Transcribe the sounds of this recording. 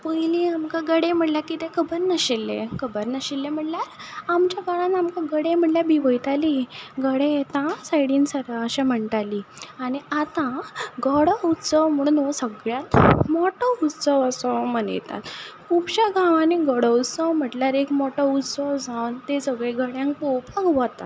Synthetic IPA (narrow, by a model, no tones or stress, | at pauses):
pəjliamkãɡəɽem̤əʈljakit̪ekʰəbəɾnəɕilːḛkəbəɾnəɕilːem̤əʈljaɾamt͡ɕjaɡəɽãnamkãɡəɽem̤əʈljabiʋəjt̪aliɡəɽet̪ãsajɽiːnsəɾaəɕem̤əɳʈaliːaniat̪ãɡəɽəut̪səʋm̤əɽunosəɡɭjãt̪mɔʈəut̪səʋəsɔmənə̰jt̪a̰t̪kʰupɕaɡãwaniɡəɽəut̪səwm̤əʈljaɾekmɔʈəut̪səwd͡zãʋnt̪esəɡɭeɡəɽjãŋk̚popaɡʋət̪a̰